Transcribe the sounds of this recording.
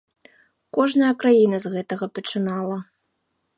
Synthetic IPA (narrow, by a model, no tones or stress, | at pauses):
kɔʐnɐjɐkɾajinɐzɣɛt̪ɐɣɐpɐt͡ʂɨnalˠɐ